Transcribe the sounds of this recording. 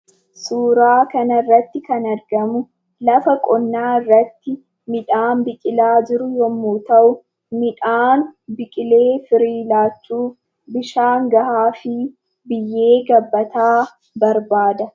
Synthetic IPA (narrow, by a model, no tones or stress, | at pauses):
suːɾaːkɐnɐrːɐt̪ːɪkɐnɐɾɡɐmʊ | lɐfɐkʼɔnːaːɪrːɐt̪ːɪ | mɪᶑaːnbɪkʼɪlaːd͡ʒɪɾʊjɔmːuːt̪ɐʔʊ | mɪᶑaːnbɪkʼɪle̞ːfɪɾiːlaːt͡ʃːuː | bɪʃaːŋɡɐhaːfɪ | bɪjːe̞ːɡɐbːɐt̪aː | bɐɾbaːd̪ɐ